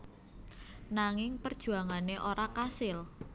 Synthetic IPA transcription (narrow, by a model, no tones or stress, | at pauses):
naŋɪŋpərd̥ʒ̥ṳaŋaneʔoɾakasɪl